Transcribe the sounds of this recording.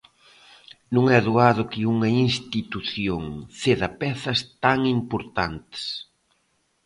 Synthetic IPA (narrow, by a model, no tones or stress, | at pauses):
nũŋɛðuaðʊkɪuŋɐinst̪it̪uθjoŋθeðɐpɛθɐst̪aŋimpoɾt̪ant̪ɪ̥s